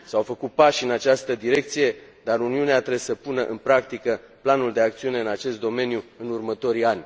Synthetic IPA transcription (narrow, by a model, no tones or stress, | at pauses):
sawfəkut̪̚paʃɨnat͡ʃast̪əd̪iɾe̞k̚t̪sije̞d̪aɾuniuneat̪ɾesəpunəʔɨnpɾakt̪ikə | planuld̪e̞ak̚t̪siune̞ɨnat͡ʃe̞st̪d̪o̞me̞njuɨnurmət̪o̞ɾianʲ